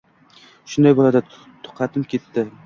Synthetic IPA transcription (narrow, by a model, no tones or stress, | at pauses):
ʃʊnd̪ajbolˠad̪a | t̪ʰʊ̥qʰɑt̪ʰɪpkʲʰe̞t̪ːɪ